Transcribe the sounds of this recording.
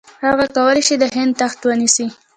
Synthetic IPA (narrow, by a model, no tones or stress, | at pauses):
haɣakawəleʃid̪əɦɪnd̪̚t̪axt̪wənisi